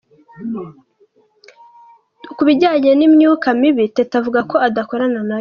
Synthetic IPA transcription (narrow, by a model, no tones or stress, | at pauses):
ukuβiɟaːɲenimɲuːkamiβitetavuɡako̞adako̞ɾanana